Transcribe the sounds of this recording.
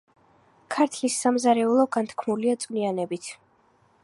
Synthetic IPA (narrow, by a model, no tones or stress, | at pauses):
kʰaɾt̪ʰlisːamzaɾɛulˠɔɡant̪ʰkʰmuliat̪sʼkʼnianɛbit̪ʰ